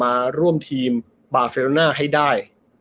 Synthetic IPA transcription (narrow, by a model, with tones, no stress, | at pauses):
aː˧ɾu˥˩əmt̪ʰiː˧m | baː˨˧se˧lnaː˥˩ɦa˥˩jdaː˥˩j